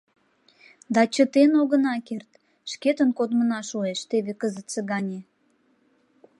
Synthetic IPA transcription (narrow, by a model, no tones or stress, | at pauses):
d̪ɑt͡ɕət̪enoɣə̆nɑkert̪ | ʃket̪ənkod̪mənɑʃueʃt̪eβekəzət̪t͡seɣɑnʲe